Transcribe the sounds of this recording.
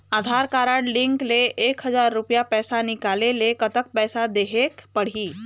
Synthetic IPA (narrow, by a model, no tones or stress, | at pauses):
ad̪ʱaɾkaɾaɽliŋkleʔekɦəd͡zaɾːupjapɛsanikalelekət̪ək̚pɛsad̪eɦekpəɽ̤iː